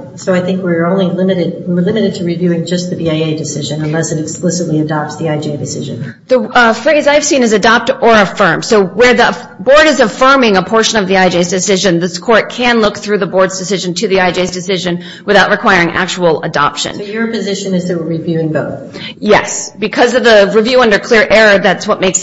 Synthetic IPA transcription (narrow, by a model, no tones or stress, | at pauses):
soʊaɪθɪ̃ŋkwɪɹõʊ̃nlilɪmɨɾɨd̚wlɪ̃mɨɾɨd̚tʰɨɹivjʉɪ̃ŋd͡ʒʌst̪̚ðɨbiaɪeɪdɨsɪʒɨ̃nə̃nlɛsɨɾɨksplɪsɨtˡliɨdɑp̚tsðiaɪd͡ʒeɪdɨsɪʒɨ̃n | ðɨfɹeɪzaɪv̥sĩnɨzɨdɑp̚tə˞ɨfɜ̃˞md̥soʊwə˞ði | bɔɹɾɨzɨfɜ̃˞mɪ̃ŋəpʰɔɹʃɨ̃nʌvðiaɪd͡ʒeɪzdɨsɪʒɨ̃nðɪskʰɔɹt̚kʰɨ̃nlʊk̚θɹʉðəbɔɹdzdɨsɪʒɨ̃n̩tʰɨðiaɪd͡ʒeɪzdɨsɪʒɨ̃n | wɨθaʊʔ̚ɹɨkʰw̥aɪ˞ɪ̃ŋʔæ̰k̚t͡ʃəwl̩ˠə̰dɑ̰pʃɨ̰̃njə˞pɨzɪʃɨ̃nɨzðɨt̚wəɹivjʉɪ̃ŋboʊθ | jɛ̰sb̥ɨkʰʌzʌvðəɹivjʉʌ̃ndə˞kʰl̥ɪɹʔɛɹə˞ðætswʌt̚meɪks